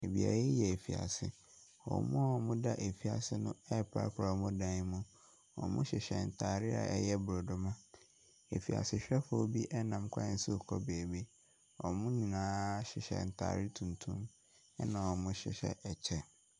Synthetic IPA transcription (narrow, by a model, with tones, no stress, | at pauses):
e˨bḭ˨a̰˨e˦jɛ˨e˨fi˨a̰˨sɪ̰˦ | wɔ̰˨mʊ̃˦ɔ˨mʊ̃˦da˦ʔe˨fi˨a˨sɪ˦nʊ̃˦ɛ˦pʰa̰˦ɾkʰʊ˦ɾa˨mʊ̃˦dã˦mũ˦ | wɔ̰˨mʊ̰̃˦ɕɪ˨ɕɛ˨n̩˨tʰaː˨ɾɪ˦a̰˨ʔɛ̰˦jɛ˦bʊ˨ɾo˨dʊ˦mã˦ | e˨fi˨a̰˨sɪ˨ɕᶣɛ˦fʊ˨˦˨bi˦ʔɛ˦nã˨mkʷʰã˦n̩˦sɪ˦˨kʰɔ˦beː˨be˦ | ɔ˨mʊ̃˦nĩ˨nãː˦ɕɪ˨ɕɛ̰˨n̩˨tʰa̰ː˨ɾɪ˦tʰũ˨ntʰũ˦m | ɛ˦nã˨wɔ˨mʊ̃˦ɕɪ̰˨ɕɛ̰˦˨ʔɛ˨t͡ɕʰɛ˦